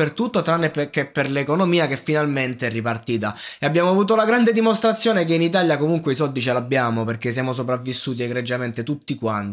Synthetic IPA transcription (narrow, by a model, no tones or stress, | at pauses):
ert̪ut̪ːot̪ɾanːepkepːerlekonomiːakefːinalment̪eɛrːipart̪iːt̪̬aeabjaːmoavuːt̪̬olaɡɾand̪ed̪imost̪ɾat̪sːjoːnek̬einit̪̬aːljakomuŋkweisɔld̪it͡ʃelabːjaːmoperk̟es̬jaːmos̬opɾavːisːuːt̪̬ieɡɾed͡ʒːament̪et̪ut̪ːikwant̪